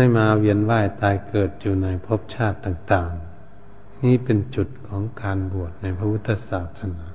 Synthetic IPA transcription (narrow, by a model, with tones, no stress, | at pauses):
a˥˩jmaː˧wi˧˥ənwaː˧˥˩jt̪aː˨˧jkɤː˨˩t̪̚juː˨˩na˧˥jpʰo˦˥p̚t͡ɕʰaː˥˩t̪ːaː˨˩ŋt̪aː˨˩ŋ | niː˧˥˨pe˨nt͡ɕu˨˩t̪̚kʰɔː˨˦ŋkaː˨˧nbu˨˩ət̪̚na˧˥jpʰa˧wu˦˥t̪ʰːa˧saː˨˩t̪ʰːa˧naː˧˥